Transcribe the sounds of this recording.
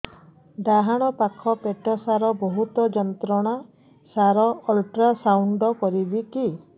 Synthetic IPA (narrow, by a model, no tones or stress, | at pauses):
d̪aɦaɽ̃ɔpakʰɔpeʈɔsaɾɔbɔɦut̪ɔd͡ʒɔnt̪ɾɔɽ̃a | saɾɔɔlʈɾasawɳɖɔkɔɾibiki